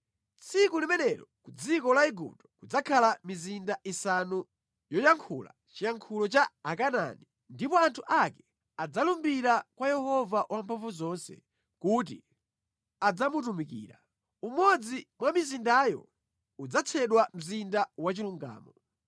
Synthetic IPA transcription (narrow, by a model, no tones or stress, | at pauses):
t͡sʰikulimɛnɛɾɔkud͡zikɔlaiɡṵp̚tɔ̥kud͡zakʰalamizindaʔisanu | jɔjaŋkʰula̰ | t͡ʃijaŋkʰulɔt͡ʃaakana̰ni | ndipɔantʰuʔakɛ | ad͡zalumbiɾakwajɛhɔvawʔampʰɔɱvuzɔnsɛ̰ | kut̬ḭ | ad͡zamutumikḭːɾa̰ | umɔd͡zimwamizindajɔ̰ | ud͡zat͡sʰɛɗwam̩zindawat͡ʃiluŋɡa̰ːmɔ